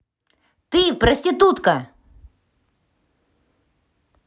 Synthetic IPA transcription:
t̪ɪpɾɔsʲt̪ʲɪt̪ut̪kɐ

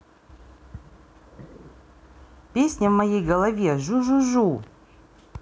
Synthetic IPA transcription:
pʲesʲnʲəvmɐjejɡəlˠɐvʲeʒuʒuʒu

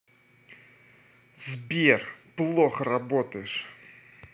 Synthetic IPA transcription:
zbʲerplˠoxəɾabot̪əjɪʂ

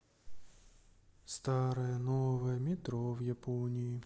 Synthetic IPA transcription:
st̪ɑɾɐjɐnovɐjəmʲɪt̪ɾovjaponʲiji

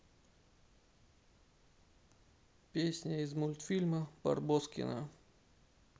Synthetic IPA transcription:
pʲesʲnʲəɪzmulʲt̪fʲilʲməbɐ̰rboskʲɪ̰nə̰

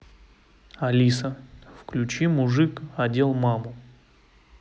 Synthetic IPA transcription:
ɐlʲisəfklʲʉt͡ɕimʊʐɨkɐdʲelˠmamʊ

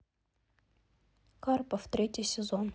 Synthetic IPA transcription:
kɑrpəft̪ɾʲetʲisʲɪzon

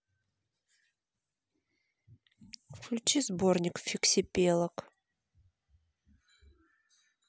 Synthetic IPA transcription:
fklʲʊt͡ɕizbornʲɪkfʲɪksʲɪpʲelˠək

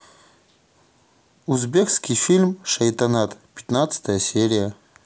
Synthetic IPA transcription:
uzbʲekskʲijfʲilʲmʂɐjt̪ɐnat̪pʲɪ̥t̪nat̪sə̥t̪əjəsʲeɾʲɪjə

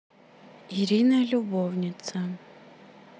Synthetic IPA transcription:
iɾʲinɐlʲubovnʲit̪sɐ

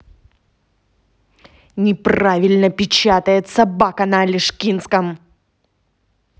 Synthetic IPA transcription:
nʲɪpravʲɪlʲnəpʲɪt͡ɕat̪əjɪt̪sɐbakənɐːlʲɪʂkʲinskəm

